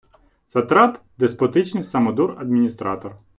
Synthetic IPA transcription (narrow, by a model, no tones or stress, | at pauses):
zɐt̪ɾɑt̪ | d̪espɔt̪ɪt͡ʃnɪjsɐmɔd̪urɐd̪̚mʲinʲist̪ɾɑt̪ɔr